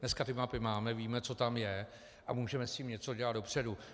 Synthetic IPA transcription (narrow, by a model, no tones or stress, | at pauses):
nɛskat̪ɪmapɪmaːmɛviːmɛt͡so̞t̪amjɛ | ʔamuːʒɛmɛsciːmɲɛt͡so̞ɟɛlat̪do̞pr̝̥ɛdu